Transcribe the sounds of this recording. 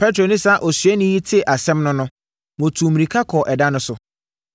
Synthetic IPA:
pʰɛ˦tɾo˨nɪ̃˦sa˦˨ʔɔ˨sɥɛ˦nɪ̃˦ji˦tʰɪ˦˨ʔa˨sɛ̃˦mnʊ̃˦nʊ̃˦ | mõ˨tʰu˨mĩ˨ɾĩ˨kʰa˦kʰɔ˨ʔɛ˨da˦nʊ̃˦sʊ˨

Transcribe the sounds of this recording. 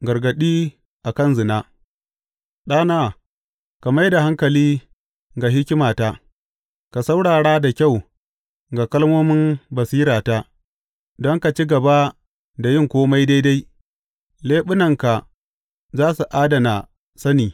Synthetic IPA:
ɡɐ˨ɾɡɐ˨ɗiː˦ | ʔa˨kɐ˦˨nzɪ˨naː˦ | ɗaː˦naː˦ | ka˨ma˦jda˨ɦa˦ŋkɐ˨liː˦ | ɡa˨ɦɪ˦kʲɪ˦maː˨taː˦ | ka˨sa˦wɽaː˨ɽaː˦da˨kʲa˦˨w | ɡa˨kɐ˦lmoː˦mɪ˦nbɐ˨siː˦ɾaː˨ta˦ | dɔ˦ŋka˨t͡ʃi˦ɡɐ˨ba˦ | da˨jɪ˦ŋkʷoː˦ma˦jda˦jda˦j | leː˦ɓʊ˦nɐ˨ŋka˨ | zaː˦su˨ʔaː˦dɐ˨na˨ | sɐ˦niː˨

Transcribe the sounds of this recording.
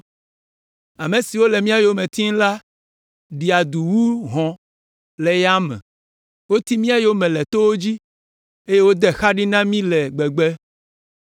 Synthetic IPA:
a˨mẽ˨si˨wo˦lɛ˨mĩ˦a˨jo˦mẽ˨t̪i˦ŋ˦la˦ | ɖi˨a˨d̪u˨wu˦ɦɔ̃˨ | lɛ˨ja˦mɛ̰̃˨ | wo˦t̪i˦mĩ˦a˦jo˦mɛ̃˨lɛ˨t̪o˦wo˦d͡ʑi˦ | e˦je˦wo˦d̪ɛ˦xa˦ɖi˦nã˦mĩ˦lɛ˨ɡ͡bɛ˨ɡ͡bɛ˦

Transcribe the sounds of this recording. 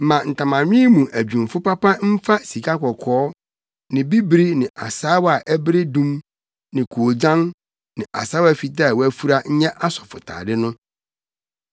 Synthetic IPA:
mã˨n̩˨tʰã˨mã˨ɲᶣĩ˦mũ˨ʔæ˨d͡ʑᶣũ˨m˨fʊ˦pa˦pa˦m̩˦fa˦si˨kʰa˦kɔ˨kʰɔː˨˦ | nɪ̃˨bi˦bɾi˦nɪ̃˨ʔa̰˨saː˦wa˨ʔæ˦bɾe˦dũ˦m | nɪ̃˨kʰu˨o˨d͡ʑã˦n | nɪ̃˨ʔa̰˨saː˦wa˦˨fi˨t̬a˦˨wɔ˦æ˦fu˦ɾa˦ɲ̩˦ɲɛ̃˦ʔa˦sɔ̥˨fʊ˨tʰa̰ː˨dɪ˦nʊ̃˦

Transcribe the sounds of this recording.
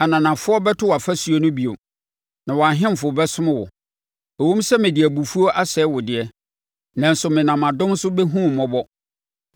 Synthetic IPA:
a˨nã˨nã˨fʊ˦ɔ˦bɛ˦tʰʊ˦wa˨fæ˦su˨˦o˦nʊ̃˦bi˨o˨ | nã˨wɔ˨a˨ɦɪ̃˦m˨fʊ˨ɔ˨bɛ˦sʊ̃˦mã˦wʊ̰˨ | æ˨wũ˦m˦sɛ˦mɪ̃˨dɪ˨æ˨bu˨fu˦o˦ʔa˦sɛː˨˦wʊ˨dɪ˨ɛ˦ | nã˨n̩˦sʊ˨mɪ̃˨nã˨mã˨dʊ̃˦m˦sʊ˦bɛ˦ɦũ˦˨mɔ̃˦bɔ˦

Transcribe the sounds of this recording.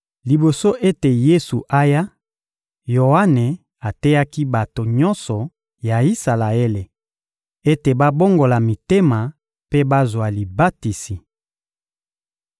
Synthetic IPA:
li˨bo˨so˦ʔe˦te˨je˦su˨ʔa˦ja˦ | jo˨a˦ne˨ | a˨tɛ˦ja˦ki˦ba˨to˨ɲɔ˦nsɔ˨ | ja˨i˦sa˨la˨e˦le˨ | e˦te˨ba˦bo˦ŋɡo˨la˨mi˨te˦ma˨ | pe˦ba˦zwa˨li˨ba˦ti˨si˨

